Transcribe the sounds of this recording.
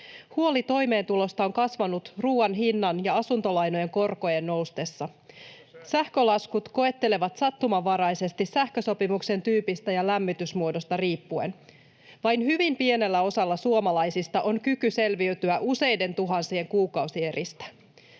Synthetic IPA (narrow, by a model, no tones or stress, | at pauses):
huo̞lit̪o̞jme̞ːnt̪ulo̞st̪ɑo̞ŋkɑsʋɑnut̪ruːɑnɦinːɑnjɑɑsunt̪o̞lɑjno̞je̞ŋko̞rko̞je̞nːo̞wst̪e̞sːɑ | sæhkø̞lɑskut̪ko̞e̞t̪ːe̞le̞ʋɑt̪sɑt̪ːumɑʋɑɾɑjse̞st̪isæhkøso̞pimukse̞nt̪yːpist̪æjɑlæmːit̪ysmuo̞do̞st̪ɑriːpːue̞̰n | ʋɑjnɦyʋimpie̞ne̞lːæo̞sɑlːɑsuomɑlɑjsist̪ɑʔo̞nkykyse̞lʋiyt̪yæʔuse̞jde̞nt̪uɦɑnsie̞ŋkuːkɑwsie̞ɾist̪æ̥